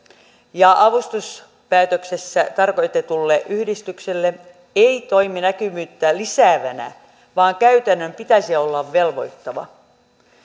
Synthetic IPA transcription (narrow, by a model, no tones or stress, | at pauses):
jɑʔɑʋust̪us | pæːt̪øksesːæt̪ɑrko̞jt̪et̪ulːeʔyhdist̪ykselːe | eit̪o̞iminækymyːt̪ːælisæːʋænæ̰ | ʋɑːŋkæyt̪ænːømpit̪æsiolːɑʋːe̞lʋo̞jt̪ːɑʋɑ̰